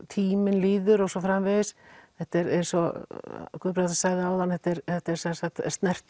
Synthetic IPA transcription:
t̪ʰiːmɪnliːðʏɾɔɣsɔfɾamvɪðɪsθɛht̪ɛɾɛɾsɔ | kʏpɾat̪ḁsaːɣðɪawðanθɛht̪ɪɾθɛht̪ɛɾ̥sɛnsat̪st̪nɛr̥t̪

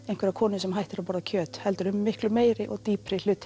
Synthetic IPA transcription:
ẽjnŋkv̥ɛɾakʰɔːnʏsɛmhɦajht̪ɪɾapaːɾacʰœːt̪hɛlt̪ʏɾʏmːɪhklʏmeːjɾɪʔɔɣt̪iːpɾɪl̥ʏt̪

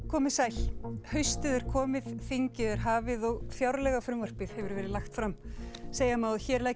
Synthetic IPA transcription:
kʰɔːmɪsajlhœɥst̪ɪðɛɾ̥kʰɔːmɪðfiɲcɪðɛɾ̥ɦaːvɪðɔɣfjawɾlɛɣafɾʏmvar̥pɪð̥hɛvʏɾvɛːɾɪlaxt̪fɾamseːjamaːwðçɛːɾlaj

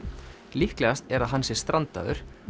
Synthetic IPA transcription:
lihklɛɣast̪ɛɾaðɦansɪɾ̥st̪ɾant̪a̰ðʏ̰ɾ̥

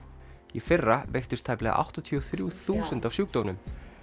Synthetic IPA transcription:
ifɪrːavejht̪ʏst̪ʰaːjplɛɣa̰ʔa̰wht̪at̪ʰiɔθɾjuθuːsʏnt̪avsjuːk̚t̪ownʏm

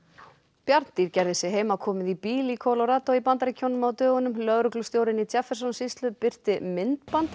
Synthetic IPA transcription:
pjaɾt̪n̥t̪iɾcɛjɾðɛsɪɦeːjmakʰɔːmɪðipiːlikʰolɔɾaːt̪ɔipant̪aɾɪcʰownʏmawt̪œːɣʏnʏmlœðɾʏklʏst̪jowɾɪnit̪ʰjɛfːɛɾ̥sɔnsist̪lʏpɪr̥t̪ɪmɪnt̪pant̪

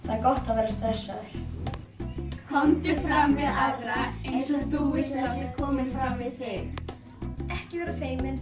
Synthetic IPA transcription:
θaðɛɾkɔht̪aðveːɾast̪ɾɛsːaðʏɾ̥ | kʰɔnt̪ɪfɾamvɪðaðɾaensaθuvɪt̪asɛkʰɔːmɪnfɾamvɪð̥θɪx | ɛhcɪvɛːɾafeːjmɪn

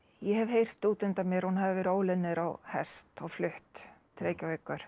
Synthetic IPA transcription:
jɛhɛvhejr̥t̪uːt̪ʏmt̪amjɛɾ̥hunhavɪvɪɾoːwlɪnːɪɾawhɛ̰st̪ɔɣflʏht̪t̪ʰːɾeːjcavejkːʏɾ̥

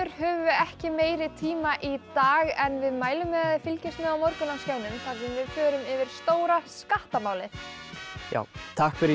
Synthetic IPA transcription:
ʏɾ̥hœːvʏɛhcɪmeːjɾɪt̪ʰiːmaʔit̪aːɣɛnvɪðmaːjlʏmːɛðaðɪfɪlcɪst̪mɛawmɔɾkʏnascawnʏnθas̬invɪðfœːɾʏmɪvɪɾ̥st̪oːwɾaskaht̪amaːwlɪ | ja̰ːwt̪ʰahkfɪɾɪ

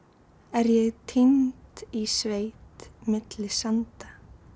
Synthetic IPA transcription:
ɛɾjɛɣt̪ʰint̪isveːjt̪mɪt̪lɪsant̪ḁ

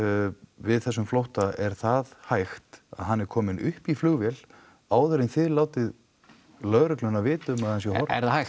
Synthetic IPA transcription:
vɪðθɛsːʏmflowht̪aɛɾ̥θaðhajxt̪a̰ðɦanːɛɾ̥kʰɔːmɪnʏhpiflʏɣvjɛl | aːwðœɾɪnθɪðlaːwt̪ɪð | lœɣɾʏklʏnːavɪːt̪ʏmaðhansjɛhɔɾɛ̰ɾðahaj

